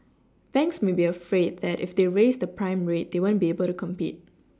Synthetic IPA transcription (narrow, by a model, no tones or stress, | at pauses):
b̥ɛ̃ŋksmebiəfɹed̚ðɛtɪ̰fdeɹesdəpɹãɪ̃mɹet̚d̥ewõnbiebəlˠtukʰɔ̃mpḭt̚